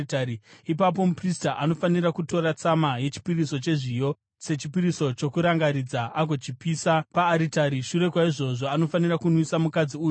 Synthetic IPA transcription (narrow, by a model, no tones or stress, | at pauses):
tariipap̬o̞mupristaʔano̞fanirakuto̞ɾat͡samaje̞t͡ʃi̥piriso̞t͡ʃe̞ʐijo̞ | se̞t͡ʃipiɾiso̞t͡ʃo̞kuɾaŋɡaɾid͡zaʔak̬o̞t͡ʃipiːsapaːɾitaɾiʃuɾe̞kwaiʐo̞ʐo̞ano̞fanirakunwisamukad͡ziuːju